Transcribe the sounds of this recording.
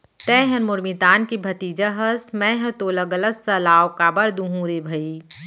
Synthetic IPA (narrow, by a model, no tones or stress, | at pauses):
t̪ɛːɦɐ̃nmʊɾmit̪aːnkibʱɐt̪iːd͡ʒɐɦɐsmɛ̃ːɦɐ̃t̪oːlɐɡɐlɐsːɐlaːwkaːbɐɾd̪ũɦũɾeːbʱɐi